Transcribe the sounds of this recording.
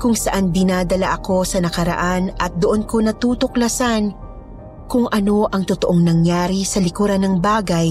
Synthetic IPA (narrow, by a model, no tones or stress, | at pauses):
kʊŋsɐʔand̪ɪnaːd̪ɐlaʔɐko̞sɐnɐkɐɾɐ̰ʔanʔɐt̪̚d̪oʔonko̞nɐt̪uːt̪oklɐsan | kʊŋʔɐno̞ʔɐŋt̪ʊt̪oʔoŋnɐŋjaːɾisɐlɪkuɾɐnɐŋbaːɡɐj